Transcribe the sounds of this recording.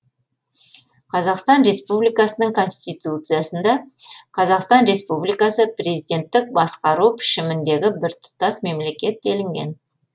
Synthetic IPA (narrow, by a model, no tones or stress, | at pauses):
qʰɑzɑqst̪ɑnɾe̞spublijkɑsənəɴkʰo̞nst̪ijt̪ut̪sɨjasənd̪ɑqʰɑzɑqst̪ɑnɾe̞spublijkɑsəpre̞zijd̪ʲe̞nt̪ːɪk̚bɑsqɑɾupʰɪ̥ʃɪmɪnd̪e̞ɡʲɪbɪɾt̪ʰʊ̥t̪ɑsme̞mle̞kʲe̞t̪̚ːelɪŋɡʲe̞̰n